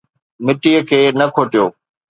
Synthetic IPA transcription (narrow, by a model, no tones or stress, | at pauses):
mɪʈijəkʰeːnɐkʰoːʈijoː